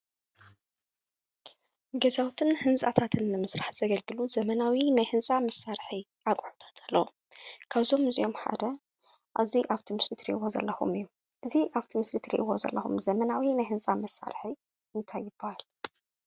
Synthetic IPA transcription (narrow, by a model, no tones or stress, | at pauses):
ɡɐzawt̪ʰɨnhɨnsʼat̪ʰat̪ʰɨnːɨmɨsɾaħz̥ɐɡɐlɡɨluzɐmɐnawinajhɨnsʼamɐsːaɾħi | ʔakʼʕot̪ʰḁt̪ʰalːɐwo | kʰaβzo̞mɨzijo̞mħa̰d̪ɐ | ʔaβziʔaβt̪ʰimɨslɨt̪ʰɾḭʔwo̞zɐ̰lːɐxṵmɨjːu | ʔɨziʔaβt̪ʰimɨslɨt̪ʰɾḭʔwo̞zɐ̰lːɐxṵmzɐmɐnawinajhɨnsʼamɐsːa̰ɾħi | ɨnt̪ʰajːɪbːahal